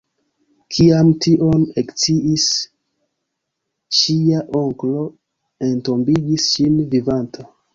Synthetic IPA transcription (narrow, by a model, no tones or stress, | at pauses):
kʰiamtiʔo̞nekt͡siʔis | ʃiaʔo̞ŋklo̞ | e̞nto̞mbiɡisʃinvivantʰa